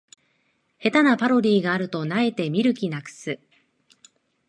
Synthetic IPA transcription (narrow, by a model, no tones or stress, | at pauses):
he̞t̪anapaɾo̞ɾʲiːɡaːɾɯ̟t̪o̞nae̞t̪e̞mʲiɾɯ̟kʲinakɯ̟̥sɨ